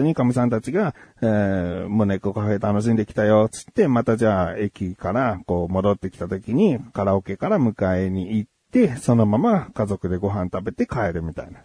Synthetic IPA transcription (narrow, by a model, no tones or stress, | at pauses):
ɨɲ̟ikamʲisãnt̪at͡ɕiɡa | mone̞kokaɸe̞t̪ano̞ɕ̬ĩnd̪e̞kʲi̥t̪ajo̞t͡sɨ̥t̪ːe̞mat̪aʑaːe̞kʲikaɾako̞ːmo̞d̪o̞t̪ːe̞kʲi̥t̪at̪o̞kʲiɲ̟ikaɾaoke̞kaɾamɯ̟kae̞ɲ̟iːt̪ːe̞so̞no̞mamakazo̞kɯ̟d̪e̞ɡo̞ɦãnt̪abe̞t̪e̞kae̞ɾɯ̟mʲit̪a̰ina